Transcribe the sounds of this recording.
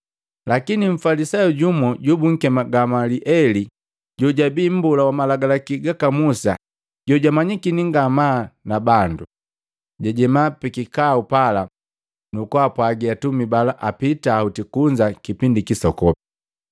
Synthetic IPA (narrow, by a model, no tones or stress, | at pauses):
lakiniɱ̩falisajɔɟumɔɟubuŋ̩kɛmaɡamaliʔɛli | ɟɔɟabiːm̩bulawamalaɡalakiɡakamusa̰ | ɟ̥ɔɟamaɲikiniŋɡamaːnabandu | ɟaɟɛmapikikaupala | nukwapwaɡiatumibalaʔapitautikuɲd͡ʒakipindikisɔkɔpi